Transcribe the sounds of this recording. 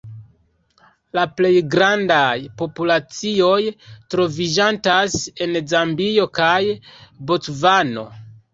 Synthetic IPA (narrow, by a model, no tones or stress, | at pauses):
laple̞jɡɾandajpo̞pulat͡sio̞jtɾo̞vid͡ʒantase̞nzambio̞kajbot͡svano̞̰